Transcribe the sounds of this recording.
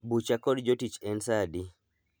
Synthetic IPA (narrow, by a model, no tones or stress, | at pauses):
but͡ʃakɔdd͡ʒotit͡ʃɛnsadi